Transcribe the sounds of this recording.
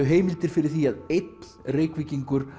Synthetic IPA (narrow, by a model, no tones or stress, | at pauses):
ʏɦeːjmɪlt̪ɪɾ̥fɪɾɪɾ̥θiaðejt̪nlreːkviciŋkʏɾ̥